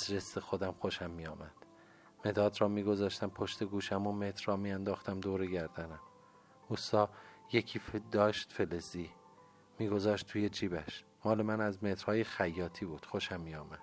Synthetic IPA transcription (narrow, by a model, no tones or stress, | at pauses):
zɾesexod̪æmxo̞ʃæmːiːjɒːmæd̪̥ | me̞d̪ɒːd̪rɒːmiːɡo̞zɒːʃt̪æmpʰo̞ʃt̪eɡuːʃæmomet̪ʰɾːɒːmijænd̪ɒːxt̪æmd̪oːɾeɟæɾd̪ænæm | ust̪ɒːjecʰiːfd̪ɒːʃt̪feleziː | miːɡo̞zɒːʃt̪ʰuːjed͡ʒiːbæʃ | mɒːle̞mænæzmet̪ɾ̥hɒːjexæjːɒːt̪ʰiːbuːd̪̥xo̞ʃæmːiːjɒːmæd̪̥